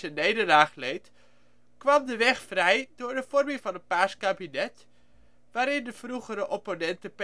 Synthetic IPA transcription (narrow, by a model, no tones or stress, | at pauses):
ənejdəlaːχlejt | kʋɑmdəʋɛχfrɛjdʊːɹdəvɔrmɪŋvɑnət̚paːskaːbinɛt | ʋaːɾɪndəv̥ruχəɾəʔɔponɛntəp